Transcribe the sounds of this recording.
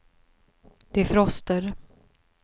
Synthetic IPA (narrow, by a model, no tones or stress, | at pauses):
d̪̥ɛæfɾɔst̪əɾ